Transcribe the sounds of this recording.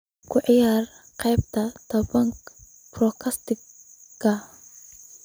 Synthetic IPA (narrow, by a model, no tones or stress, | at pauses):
kʰʊʕɪjaːrqɛjbt̪ʰɐt̪ʰɐbɐŋk | brɔkʰɐst̪ɪ | kːɐ